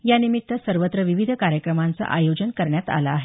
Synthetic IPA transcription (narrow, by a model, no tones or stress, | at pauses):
janimit̪ːəsəɾʋət̪ɾəʋiʋid̪ʱəkaɾjəkɾəmant͡sa̰ʔajod͡ʑənkəɾɳjat̪a̰la̰ːɦe